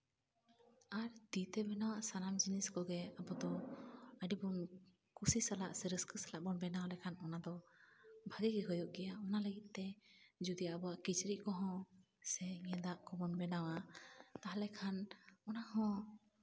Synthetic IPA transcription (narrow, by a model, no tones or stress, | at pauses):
aɾd̪it̪ɛbɛnawaʔsanamd͡ʒiniskɔɡɛabɔd̪ɔəɖibɔn | kusisala̰ʔsɛɾəskəsalaʔbɔnbɛnawalɛkʰanɔnad̪ɔ | bʱaɡiɡɛɦɔjɔʔɡɛjaɔnaləɡit̪̚ˀt̪ɛd͡ʒud̪ijabɔwaʔkit͡ʃɾiʔ̚kɔɦɔ̃ | sɛɲɛ̃d̪aʔkɔbɔnbɛnawat̪aɦalɛkʰanɔnahɔ̃